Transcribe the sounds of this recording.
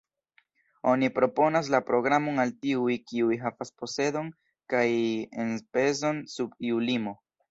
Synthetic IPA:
o̞nipɾo̞po̞nas̬lapɾo̞ɡɾamo̞naltiujkiujɦavaspo̞se̞do̞n | kajenpe̞zo̞nsubiulimo̞

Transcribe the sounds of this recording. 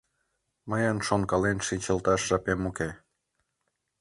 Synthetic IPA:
məjənʃonkɑlenʃinʲt͡ɕəlt̪ɑʃʒɑpemuke

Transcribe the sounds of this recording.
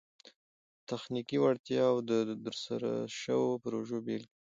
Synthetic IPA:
t̪axnikiwaɽt̪jɑwd̪əd̪əɾsaɾa̰ʃəwopɾoʒobelki

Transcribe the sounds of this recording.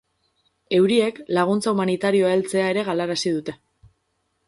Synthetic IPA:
e̞wɾie̞klaɣ̞unt͡saumanit̪aɾio̞aelt͡se̞ae̞ɾe̞ɣ̞alaɾasið̞ut̪e̞

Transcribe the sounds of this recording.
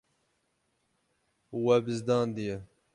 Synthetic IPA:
wɛbɨzd̪ɑːnd̪ijɛ

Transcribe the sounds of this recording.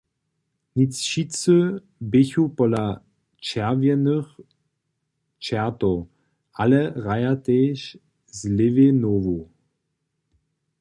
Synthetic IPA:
nit͡sʃit͡sø | bɪçupɔla | t͡ʃɛʁvjɛnəx | t͡ʃɛɐto | ʔalɛʁajat̪eːʃ | zlɪvenoːvu

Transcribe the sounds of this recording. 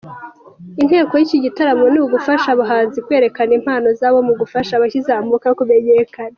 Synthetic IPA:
in̥he̞ːko̞jiciɟitaɾamo̞niuɡufaʃaβuɦaːnzikwe̞ːɾe̞kanim̥haːno̞zaːβomuɡufaʃaβaçizamukaokume̞ɲekana

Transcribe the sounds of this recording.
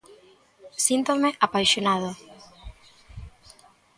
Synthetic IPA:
sint̪omeʔapajʃjonað̞o

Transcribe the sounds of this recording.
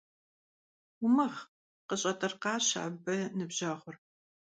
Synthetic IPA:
ʊmɐχ | qəɕʼɐtʼɐrqɑːɕa̰ːbɐnɨbʑaːχʷʊr

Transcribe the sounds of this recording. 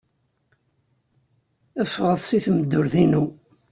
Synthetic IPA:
əfːʁəðˤsiθməd̪ːʊɾθinu

